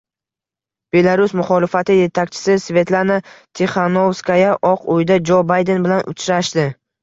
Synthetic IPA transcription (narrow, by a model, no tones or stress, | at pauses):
b̥e̞laɾʊsmʊχɒlɪfat̪ʰɪje̞t̪ʰakʲt͡ʃʰɪ̥sɪsve̞t̪lˠanat̪ʰeχanowskajaʔɒqʰojɪd̪ad͡ʒobajd̪e̞nbɪlanʔʊ̰t͡ʃʰɾaʃt̪ɪ